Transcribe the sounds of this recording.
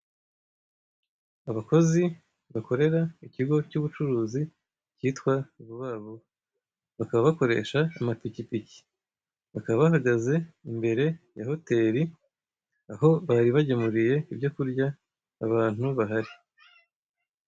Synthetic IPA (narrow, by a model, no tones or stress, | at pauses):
aβako̞zi | βako̞ɾe̞ɾaiciɡo̞cuβut͡ʃuɾuːzi | ciːtkwauβuβaːβo | βakaβaβako̞ɾe̞̰ːʃaːmapicipici̥ | βakaβaβahaɡaze̞imbe̞ɾe̞ja̰ho̞te̞ɾi | aɦo̞βaːɾiβaɟemuɾije̞ibɟo̞kuɾɟaː | βaːn̥huβaɦaɾi